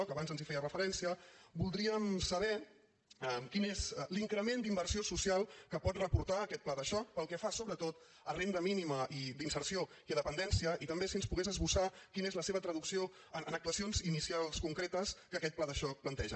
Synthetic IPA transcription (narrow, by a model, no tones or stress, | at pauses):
ɔkəβanzənzifɛjərəfəɾɛnsiəbulˠd̪ɾiəmsəβɛ | ɛmkinezliŋkɾəmend̪imbəɾsiosusialˠkəpɔt̪rəpuɾt̪aːkɛt̪̚plaðəʃɔk̚pəlˠkɛfasoβɾət̪ot̪ | ərend̪əminiməʔid̪insəɾsio | iəðəpənd̪ɛnsiəʔit̪əmbesiənspuɣezəzβusakinezləseβət̪ɾəðuksio | ənənək̚t̪uəsionzinisialˠskuŋkɾet̪əskəkɛt̪̚plaðəʃɔk̚plənt̪ɛʒə